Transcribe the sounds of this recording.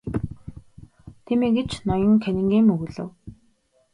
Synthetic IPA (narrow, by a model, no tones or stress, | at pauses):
t̪ʰiːmeɡet͡ɕnɔjɞ̆ŋkʰænʲɪ̆ŋɡeːmːɵɣɵ̆ɮɘ̰̆w